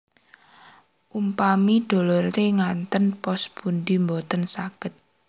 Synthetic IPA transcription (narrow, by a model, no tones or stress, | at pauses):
ʔumpamid̥o̤lɔrteŋant̪ənpɔsb̥und̪imbot̪ənsaɡ̥ət̪̚